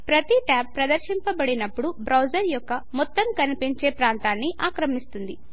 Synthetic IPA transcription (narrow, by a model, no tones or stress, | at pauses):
pɾɐt̪iʈaːpːɾɐd̪ɐɾʃimpɐbɐɽinɐpːuɽubɾɐwd͡ʒɐɾjɔkːɐmɔt̪ːɐmkɐnipiɲt͡ʃe̞ːpɾaːnt̪aːnːiʔaːkɾɐmist̪und̪i